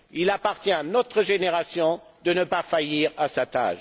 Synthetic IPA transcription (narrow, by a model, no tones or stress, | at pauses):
ilapaʁt̪jɛ̃anɔt̪χəʒeneʁasjɔ̃d̪ənəpafajiʁasat̪a̰ːʃ